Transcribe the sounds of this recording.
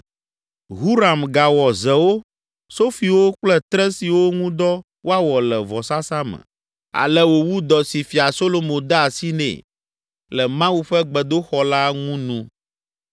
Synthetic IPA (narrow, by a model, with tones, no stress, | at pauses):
ɦu˦ɾa˨mɡa˨wɔ˨zɛ˨wo˦ | so˦fi˨wo˦k͡plɛ˦t̪ɾɛ˦si˨wo˦ŋũ˦d̪ɔ˦ | wo˦a˨wɔ˨lɛ˨vɔ˨sa˦sa˦mɛ̰̃˨ | a̰˨lɛ˦wo˨wu˦d̪ɔ˨si˨fi˨a˨so˦lo˨mõ˨d̪a˦a˨si˦nɛ̰̃˦˨ | lɛ˨mã˦wu˦ɸɛ˦ɡ͡bɛ˨d̪o˦xɔ˨la˦ŋũ˦nũ˦